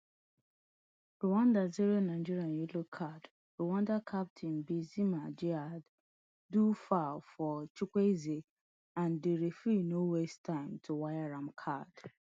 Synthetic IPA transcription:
ɾuwãndad͡ʒiɾianaɪd͡ʒiɾianjelokʰad | ɾowãndakʰap̚tʰinbizimad͡ʒiad | dufalfɔt͡ʃikʷeze | ãndeɾefinowestʰãɪ̃mtʰuwajaɾamkʰad̥

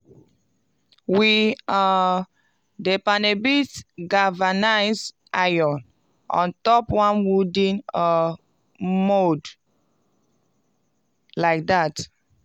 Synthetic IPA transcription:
wia | depanebitɡavanaɪz | ʔajɔ̃n | ʔɔ̰̃ntɔpwãnwudĩna | mod | laɪk̚dat

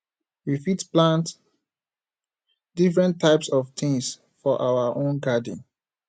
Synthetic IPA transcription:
wifitplãnt | d̥ifɹɛ̃ntʰːaɪpsɔft̪ʰĩŋs | fɔʔawaʔõnɡadḭ̃n

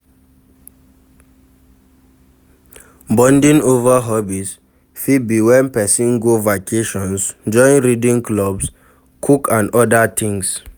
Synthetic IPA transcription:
bɔ̃ndĩnovaɦɔbis | fid̚biwɛ̃npɛsĩnɡovakeʃɔ̃nsd͡ʒɔ̃nɹidĩŋklɔbs | kʰukãnɔdatʰĩŋs

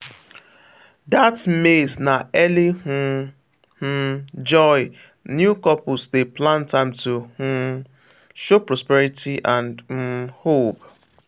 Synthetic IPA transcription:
datmesnaɛlihu | h̩d͡ʒɔɪ | njukɔpʊsdeplãntãɪ̃mtuh̩ | ʃopɹɔspɛɾitʰiʔãnd̩hop

